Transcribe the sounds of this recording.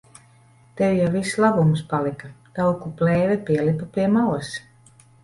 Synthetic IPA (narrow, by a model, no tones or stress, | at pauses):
t̪ewjavislˠabumspalikat̪awkuplɛːvɛpiɛlipapʲiɛmaws